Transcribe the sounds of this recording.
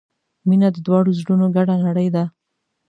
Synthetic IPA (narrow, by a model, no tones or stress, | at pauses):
minad̪əd̪wɑɽozɽunoɡaɽanaɽəjd̪a